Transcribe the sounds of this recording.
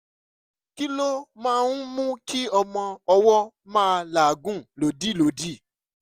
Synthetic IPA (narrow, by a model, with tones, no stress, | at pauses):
ki˦lo˦mãː˦˧˦n̩˦mũ˦ki˦ɔ˧mɔ̃˧ɔ˧wɔ˦ | mãː˦˧la˨ɡũ˦lo˨di˦˨lo˨˦di˦˨